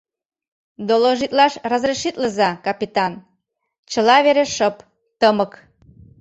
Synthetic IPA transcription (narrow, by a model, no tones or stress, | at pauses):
d̪oloʒit̪lɑʃrɑzreʃit̪ləzɑkɑpit̪ɑn | t͡ɕəlɑβeɾeʃəp | t̪əmək